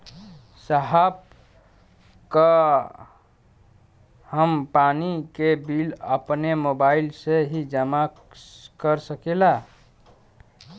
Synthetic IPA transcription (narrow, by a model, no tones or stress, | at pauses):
səɦab̚ | kə | həmpanikebilə̰pnemobailseɦid͡ʒəma | kəɾsəkela